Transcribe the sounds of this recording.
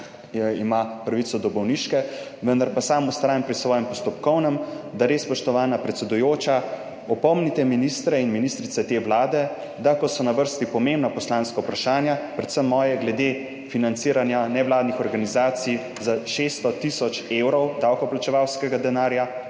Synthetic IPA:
ɛimapɾaʋit̪sɔd̪ɔbɔwniʃkɛ | ʋənd̪aɾpasaːmust̪ɾaːjampɾisʋɔːjɛmpɔst̪ɔpkɔwnəmd̪aɾeːsspɔʃt̪ɔʋaːnapɾɛt̪sɛd̪ujoːt͡ʃa | ɔpɔmnit̪ɛminist̪ɾɛinminist̪ɾit̪sɛt̪eːʋlaːd̪ɛ | d̪akɔsɔnaʋəɾst̪ipɔmembnapɔslaːnskaupɾaʃaːnjapɾɛt̪səmːɔːjɛɡlɛd̪e | finant̪siːɾanjanɛʋlaːd̪nixɔɾɡanizaːt̪sij | zaʃest̪ɔt̪isɔt͡ʃewɾɔwd̪awkɔplat͡ʃɛʋawskɛɡad̪ɛnaːɾja

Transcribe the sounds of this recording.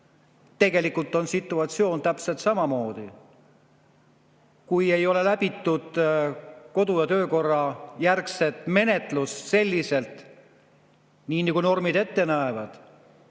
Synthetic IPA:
t̪e̞ɡe̞likult̪ːˑo̞nsit̪ːˑuɑt̪sio̞ːnt̪æpse̞lt̪sɑmɑmo̞ːd̪̥i | kuje̞jo̞le̞læbit̪ːud̪̥ | ko̞d̪̥ujɑt̪ø̞ːko̞rːɑjærkse̞t̪ˑme̞ne̞t̪lusːe̞lʲːise̞lt̪ | niːnikujno̞rmid̪e̞t̪ːe̞næevɑd̪̥

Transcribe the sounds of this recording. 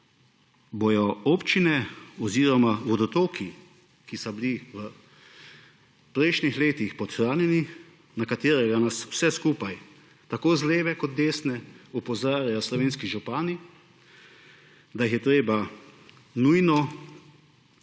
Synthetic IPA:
bojɔɔːpt͡ʃinɛɔziːɾɔmaʋɔd̪ɔt̪oːkʰi | kisɔbiliʋə | pɾɛjʃnixleːt̪ixpɔt̪xɾaːnjɛni | nakat̪eːɾɛɡanasw̥sɛskuːpaj | t̪akoːzleːʋɛkɔt̪̚d̪eːsnɛupɔzaːɾjajɔslɔʋeːnskiʒupaːni | d̪ajixjɛt̪ɾeːba | nujnɔ

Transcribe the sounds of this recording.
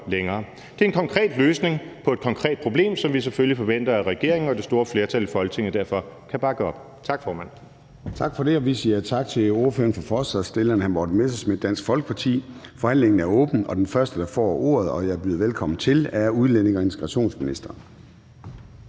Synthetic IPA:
leŋɐː | d̥e̝ɐenkʰɒ̽ŋkʰʁɛ̰ːd̥løːsne̝ŋpʰɒ̽e̝d̥̚kʰɒ̽ŋkʰʁɛ̰ːd̥̚pʰʁo̝b̥le̝̰ːmsɒ̽mʋis̬eføljifɒ̽ʋen̰d̥ɐæʁɛɡ̥e̝ɐ̰e̝ŋn̩ɒ̽d̥e̝sd̥o̝ːɐfle̝ɐt͡sʰælifɒ̽lɡ̥ət͡sʰe̝ŋ̰əd̥æɐfɒ̽kʰæb̥ɑ̈ɡ̥əɒ̽b̥ | t͡sʰɑ̈ɡ̥fɒːmæn̰ | t͡sʰɑ̈ɡ̥fɒ̽ɾe̝ɒ̽ʋisiɐt͡sʰɑ̈ɡ̥̚t͡sʰe̝o̝ɐføːɐnfɒfɒsæsd̥elenhænbɒd̥mesɐsmed̥ːæn̰sɡ̥fɒ̽lɡ̥ə̥pʰɑ̈t͡sʰḭː | fɒ̽hæn̰leŋn̩æɐɔ̰̽ːb̥n̩ɒ̽d̥enfɶɐsd̥əd̥ɑ̈fɒ̰ːo̝̰ːɐð̞̩ˠɒ̽jɑ̈ɪɐb̥yːðˠɐʋelkʰɒ̽m̰n̩t͡sʰe̝læɐuð̞ˠlen̰e̝ŋɒ̽e̝nt͡sʰe̥ɡ̥ʁɑɕo̝̰ːnsminisd̥ɐːn

